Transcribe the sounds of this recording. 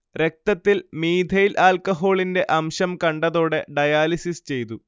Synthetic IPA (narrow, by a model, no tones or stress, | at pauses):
ɾe̞k̚t̪ɐt̪ːilmiːd̪ʱɐjilʔaːlkɐɦo̞ːɭinde̞ʔɐmɕɐmkɐɳɖɐðo̞ːɽe̞ɖɐjaːlisist͡ɕe̞jt̪u